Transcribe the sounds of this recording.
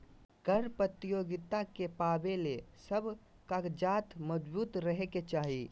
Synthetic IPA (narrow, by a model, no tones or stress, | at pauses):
ɡʱəɾpət̪ijoːɡɪt̪akepaːbelesəbʱ | kakd͡ʒaːt̪məd͡ʒbuːt̪ɾəɦeket͡ʃaːɦi